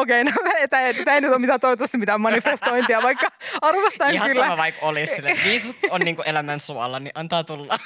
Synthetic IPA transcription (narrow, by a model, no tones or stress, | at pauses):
okeinoet̪ːæt̪æeinyt̪omit̪æːt̪oit̪ːɑst̪imit̪æmɑnifest̪oint̪iɑʋɑikːɑɑrʋɑst̪ɑːŋhɑkylːæʋɑikolissilːʋiːsut̪onniːŋkuʔelæmænsuɑ̰lɑniʔɑnt̪ɑːt̪ulːɑ